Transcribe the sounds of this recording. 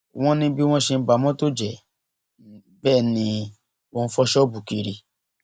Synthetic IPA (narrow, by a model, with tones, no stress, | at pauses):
w̃ɔ̃˦nĩ˦bi˦w̃ɔ̃˦ʃe˧n̩˦ba˨mɔ̃˦to˦d͡ʒɛ˨ | bɛː˦˨nĩ˧ | o˧n̩˦fɔ˦ʃɔ˦bu˨ki˧ɾi˧